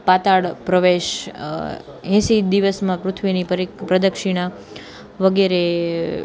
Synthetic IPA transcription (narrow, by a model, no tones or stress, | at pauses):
pat̪aɽpɾəʋeʃ | ɦɛ̃sid̪iʋəsmãpɾʊt̪ʰʋinipəɾipɾəd̪əkʃiɽ̃a | ʋəɡeɾe